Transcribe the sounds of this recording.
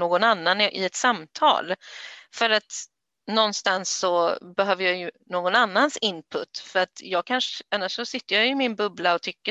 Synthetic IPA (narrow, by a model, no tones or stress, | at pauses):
oːɡɔnanːanʔɪɛt̪samt̪ʰɑ̰ːlfœɾat̪ | nɔnst̪ansːɔbɛɦøːvəjɑjɵnoːɡɔnanːansɪnpʰɵt̪ːfœɾat̪jɑːɡ̚kʰanʂanːaʂːɔsɪt̪ːəjɑjɵmɪnbɵblaɔt̪ʰʏkːə